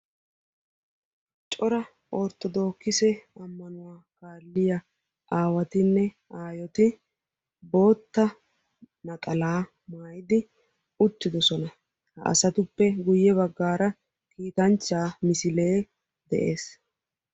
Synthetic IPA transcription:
t͡ʃʼɔɾɐ | ʔɔɾt̪ːɔd̪o̞ːkːɪsɛɐmːɐnʊwaːkaːlːɪjɐ | ʔaːwɐt̪ɪnːɛ | aːjɔt̪ɪ | bo̞ːt̪ːɐ | nɐkʼɐlaː | maːjɪd̪ɪ | ʊt̪ːɪd̪ɔsɔnɐ | hɐ̰ʔɐ̰sɐt̪ʊpːɛɡʊjːɛβɐɡːaːɾɐ | kiːt̪ɐnt͡ʃːaːmɪsɪle̞ː | d̪ɛʔe̞ːs

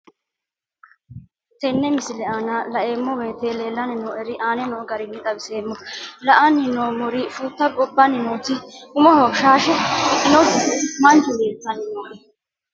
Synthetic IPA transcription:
t̪ɛnːɛmɪsɪlɛaːnaːlɐʔeːmːɔwe̞ːt̪eːle̞ːlːɐnɪnoːʔɛɾɪʔaːnɛnoːɡɐɾɪnːɪt̪ʼɐbɪseːmːɔlɐʔɐnɪnoːmɔɾɪfuːt̪ːɐkʼɔbːɐnɪnoːt̪ɪʊmɔhɔʃaːʃɛɔkːɪnɔd̪ɪt̪ɪmɐnt͡ʃudiːt̪ːɐnɪnoːʔɛ

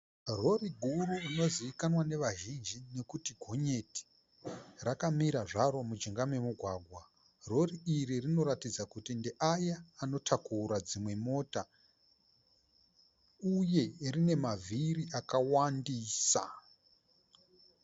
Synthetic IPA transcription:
ro̞ɾiɡʱuɾuino̞ziikanwane̞ʋaʒind͡ʒine̞kutiɡʱo̞ɲe̞ti̥ | rakamiɾaʐaɾo̞mud͡ʒiŋɡame̞muɡʱwaːɡʱwa | ro̞riiɾirino̞ɾatid͡zakutinde̞ʔajaːno̞tʰakuɾad͡zimwe̞mo̞ta | uje̞rine̞mavʱiɾiʔakawandiːsa̰

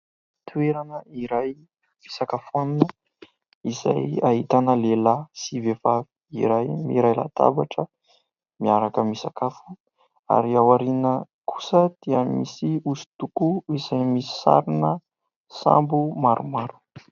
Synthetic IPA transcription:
t̪ʰueɾanəiɾaj | misakafuaninə | iza̰jaɦit̪anəlelasivefavi̥ḭɾajmiɾajla̰t̪a̰baʈ͡ʂə | miaɾakəmisakafu̥ | a̰ɾiawaɾinəkʰu̥səd̪̥iəmisiusu̥t̪ukuiz̥ajmisi̥sa̰ɾinə | sa̰mbumaɾʔumaɾu̥

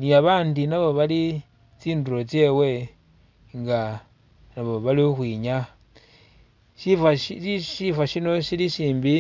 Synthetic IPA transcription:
niaβaːndinaβo̞βali | t͡siːnduɾo̞t͡sje̞ːwe̞ | ŋɡa | naβo̞βaliuxwiɲa | ʃifaiʃifaʃino̞ʃiliʃiːmbi

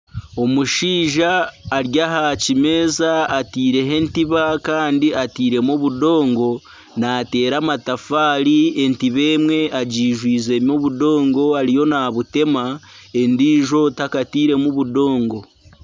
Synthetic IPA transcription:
o̞muʃiːʒaːɾjaɦacime̞ːzaːtiːɾe̞ɦe̞ntiβakaːndiatiːɾe̞moβudo̞ːŋɡo̞ | naːte̞ːɾamatafaːɾie̞ntiβe̞ːmwe̞ʔaɟiːʒwiːze̞ːmo̞βudo̞ːŋɡo̞aɾijo̞naβute̞ma | e̞ndiːʒo̞takatiːɾe̞muβudo̞ːŋɡo̞

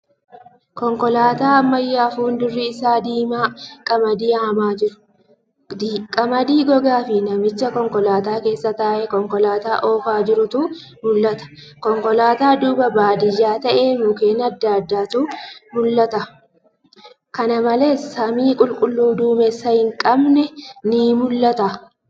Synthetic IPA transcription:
kɔŋkɔlaːt̪aːɐmːɐjːaːfuːnd̪ʊrːiɪsaːd̪iːmaːkʼɐmɐd̪ɪaːmaːd͡ʒɪɾʊ̥ | kʼɐmɐd̪iːɡɔɡaːfɪnɐmɪt͡ʃːɐkɔŋkɔlaːt̪aːke̞ːsːɐt̪aːʔɛkɔŋkɔlaːt̪aːʔo̞ːfaːd͡ʒɪɾʊt̪ʊ | mʊlːɐt̪ɐ̥kɔŋkɔlaːt̪aːd̪uːbɐbaːd̪ɪjːaːt̪ɐʔeːmʊkeːnɐd̪ːaːd̪ːaːt̪umʊlːɐt̪ɐ | kɐnɐmɐleːsɐmiːkʼʊlkʼʊlːuːd̪uːmɛsːɐhɪŋkʼɐbnɛniːmʊlːɐt̪a

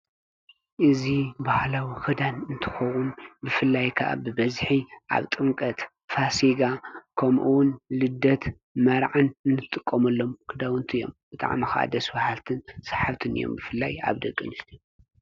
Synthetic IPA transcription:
ʔɨzibahlawixɨd̪anɨnt̪ʰɨ̥xɐwunbɨfɨlːajkʰɐʔa̰bɨbɐzħiʔa̰βt̪ʼɨŋkʼɐt̪ | fasiɡakʰɐmʔuwʊnlɨd̪ɐt̪ | mɐɾʕanɨnːɨt̪ʼːɨkʼːomɐlːo̞mkʰɨd̪awɨnt̪ʰijo̞̰mb̥ɨt̪ʼa̰ʕmixɐʔa̰d̪ɐsbahalt̪ʰɨnsḁħaβt̪ʰɨnɨ̰jo̰mbɨfɨlːaja̰βd̪ɐkʼːɨnɨst̪ʰi

